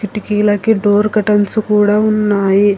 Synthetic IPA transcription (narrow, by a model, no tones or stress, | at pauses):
kiʈikiːlɐkiɖoːɾkɐʈɐnsukuːɽaːunːaːji